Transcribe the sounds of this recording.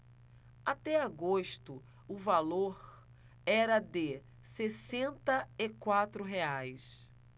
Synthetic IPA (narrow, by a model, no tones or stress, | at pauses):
at̪ɛaɡoʃt̪ʊ | ʊvaloɾ | ɛɾɐd̪ɪ | sesẽnt̪ɐɪkwat̪ɾʊɦeajs